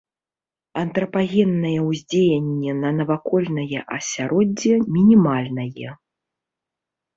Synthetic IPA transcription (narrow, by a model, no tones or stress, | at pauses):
ɐnt̪ɾɐpaɣʲɛnːɐjɛwzʲd͡zʲejɐnʲːɛnɐnɐvakɔlʲnɐjɛʔɐsʲaɾʔɔd͡zʲːɛmʲinʲimalʲnɐjɛ